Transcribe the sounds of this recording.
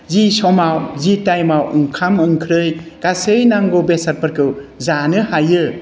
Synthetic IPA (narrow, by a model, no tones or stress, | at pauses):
zisɔmawzitajmawɯŋkʰamɯŋkʰɾɯjɡ̥asɯjnaŋɡobesaɾpɐɾkʰɯwzanɯhajɯ